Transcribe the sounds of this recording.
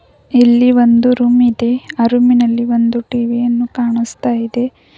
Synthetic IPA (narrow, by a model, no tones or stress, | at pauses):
ilːiʋo̞nd̪uɾumid̪e̞aɾuminɐlːiʋo̞nd̪uʈiːʋijɐnːukaːɳist̪aːjid̪e̞